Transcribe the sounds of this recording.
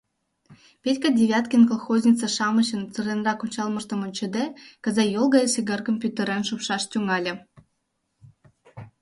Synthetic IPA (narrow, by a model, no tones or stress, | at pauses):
pʲetʲkɑdʲeβʲɑt̪kʲenkolˠxozʲnʲit͡sə̆ʃɑmɤ̆ɕə̆nt͡sɨrʲenrɑkunʲt͡ɕɑlˠmɤ̆ʃt̪ɤ̆monʲt͡ɕĕd̪ekə̆zɑjolˠɡɑjsiɡərkomʲpʲyt̪ĕɾenʃupʃɑʃt̪ʲuŋɑlʲĕ